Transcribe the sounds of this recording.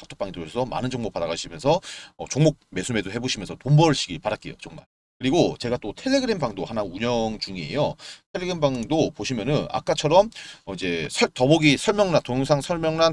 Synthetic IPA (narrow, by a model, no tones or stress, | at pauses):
sʰḁk̚tʰo̥p͈aŋitɯɾoʌsʰʌma̰nɯnd͡ʑʌŋbop͈adaɣaɕʰimjʌnsʰʌʌt͡ɕoŋmok̚me̞sʰume̞doɦe̞boɕʰimjʌnsʰʌtombʌɭɕʰiɡiɭpaɾat̚k͈e̞jo̰t͡ɕʌŋma̰ɭ | kɯɾiɡot͡ɕe̞ɡat͈otʰe̞ɭːe̞ɡɯɾembaŋdohanauɲʌŋt͡ɕuŋie̞̰jotʰeɭːe̞ɡɯɾembaŋdopoɕʰimjʌnɯna̰k͈at͡ɕʰʌɾʌmʌid͡ʑe̞sʰʌtʌboɡisʰʌɭmjʌŋnantojŋsʰaŋsʰʌɭmjʌŋnan